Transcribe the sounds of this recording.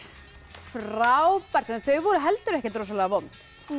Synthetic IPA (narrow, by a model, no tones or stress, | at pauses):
fɾawpaɾ̥t̪θœɥɣvɔɾʏɦɛlt̪ʏɾɛhcɛt̪ɾosalɛɣavɔmt̪